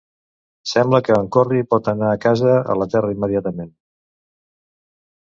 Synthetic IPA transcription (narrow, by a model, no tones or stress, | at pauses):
sɛmbləkəːŋkoripɔt̪ənaːkazəə̰lət̪ɛrəimːəðiat̪əmen